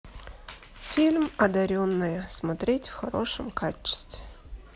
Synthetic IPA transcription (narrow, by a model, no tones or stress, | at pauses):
fʲilʲmɐd̪ɐɾʲonːɨjəsmɐt̪ɾʲetʲfxɐɾo̞̰ʂəmkat͡ɕːɪ̥st̪vʲɪ